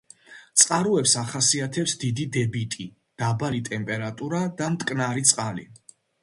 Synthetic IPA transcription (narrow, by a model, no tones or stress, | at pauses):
t̪sʼqʼaɾuɛpsaχasiat̪ʰɛpsd̪id̪id̪ɛbit̪ʼi | d̪̥abalit̪ʼɛmpʼɛɾat̪ʼuɾad̪amt̪ʼkʼnaɾit̪sʼqʼalḭ